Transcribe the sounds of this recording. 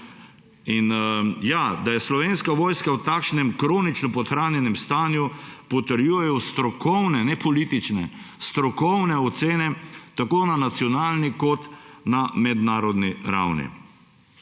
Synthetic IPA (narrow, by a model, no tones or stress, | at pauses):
injad̪ajɛslɔʋeːnskaʋoːjskawt̪aːkʃnɛmkɾoːnit͡ʃnɔpɔt̪xɾaːnjɛnɛmst̪aːnjupɔt̪əɾjuːjɛjɔst̪ɾɔkɔwnɛnɛpʰɔliːt̪it͡ʃnɛ̰st̪ɾɔkɔwnɛɔt̪seːnɛt̪akoːnanat̪siɔnaːlnikɔt̪namɛd̪naːɾɔd̪niɾa̰wnḭ